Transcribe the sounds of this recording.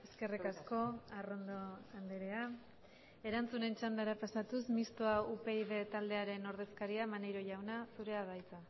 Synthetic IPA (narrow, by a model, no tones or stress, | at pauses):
e̞ske̞rikasko̞aro̞nd̪o̞and̪eɾe̞a | e̞ɾant͡sune̞nt͡ʃand̪aeɾapasat̪usmist̪oaupe̞iðe̞t̪ald̪e̞aɾe̞no̞ɾð̞e̞skaɾiamanejɾo̞ʝawnasuɾe̞aβ̞ajt͡sa